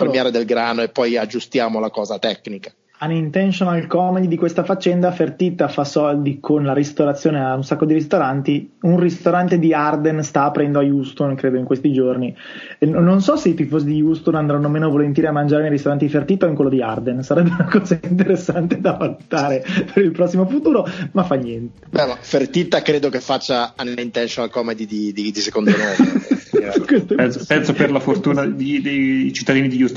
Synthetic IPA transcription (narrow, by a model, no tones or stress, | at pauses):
pɾemjaɾed̪elɡɾaːnoepːɔjad͡ʒːust̪jaːmolakɔːzat̪ɛknikḁ | anːint̪ɛnʃonalkɔmeɲid̪ikwest̪afat͡ʃːɛnd̪afert̪it̪afasɔld̪ikʰonlaɾist̪oɾat̪sːjoːneaunsakːod̪iɾist̪oɾant̪iunrist̪oɾant̪ed̪iard̪enst̪aːpɾɛnd̪oajust̪onkɾeːd̪oiŋkwest̪id͡ʒorni | nnonsɔseit̪ifːoːzid̪ijust̪onand̪ɾanːomeːnovolent̪jːɾiamːand͡ʒaɾenejɾist̪oɾant̪ifert̪it̪ːaoiŋkwelːod̪iard̪ensaɾɛbːeeunakɔːzaint̪eɾesːant̪ed̪avalut̪aːɾepʰeɾilpɾɔsːimofut̪uːɾomafːanːjɛnt̪e̥bɛmafert̪it̪ːakɾeːd̪okefːat͡ʃːaanint̪ɛnʃonalkɔmed̪id̪id̪id̪isekondonɔː | kwest̪opɛnsopɛnsoperlafort̪uːnad̪id̪ejt͡ʃit̪ːad̪iːnid̪ijust̪